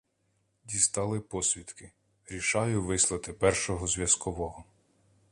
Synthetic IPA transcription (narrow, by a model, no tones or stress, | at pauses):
d̪ʲist̪ɑlˠɪpɔsʲʋʲid̪kɪ | ɾʲiʃɑjʊʋɪslˠɐt̪ɪpɛrʃɔɦɔzʲʋʲjɐskɔʋɔɦɔ